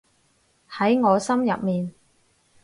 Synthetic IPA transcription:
hɐ˨˥jŋɔː˨˧sɐ˥mjɐ̰˨p̚miː˨n

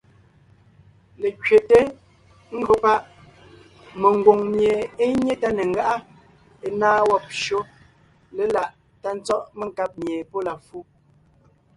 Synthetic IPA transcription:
le˨kɥe˨te˦ | ŋ̩˦ɡo˦pa˦ʔ | me˨ŋ˨ɡwo˨ŋmje˨e˦ɲe˦ta˦ne˨ŋ̩˨ɡa˦ʔa˦ | e˨naː˦wɔ˦˨p̚ʃo˦ | le˨la˨ʔ | ta˦n̩˦t͡sɔ˦ʔme˦˨ŋ˨ka˦p̚mje˨po˦la˨fu˦

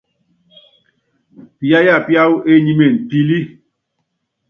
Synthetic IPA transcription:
pi˨a˦ja˦˨pja˦wu˦ʔe˦ɲi˦me˨n̩˨ti˦li˦

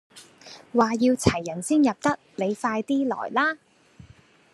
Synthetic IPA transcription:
waː˨jiː˧wt͡sʰɐ˨˩jːɐ˨˩nsiː˥njɐ˨p̚t̪ɐ˥k̚le˨˧jfaː˧jt̪iː˥lɔ̰ː˨˩jlaː˥

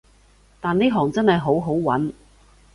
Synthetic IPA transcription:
t̪aː˨nːiː˥ɦɔː˨˩ŋt͡sɐ˥nhɐ˨jɦo˨˥wɦo˨˥wwɐ̰˨˥n

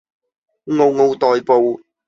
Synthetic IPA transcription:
ŋo˨˧wŋo˨˧wt̪ɔː˨˧jpo˨˧w

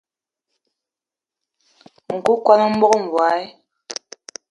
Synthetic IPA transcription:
ŋ̩˨ku˦kwa˦nə˦m̩˦bɔ˦ko˦ɱ̩˨vwa˨˦e˦

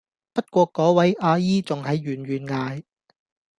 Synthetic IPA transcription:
pɐ˥t̚kʷɔː˧kɔː˨˥wɐ˨˥jʔaː˧jiː˥t͡sʊ˨ŋɦɐ˨˧jɥyː˨˩nɥyː˨˩nŋaː˨˧j

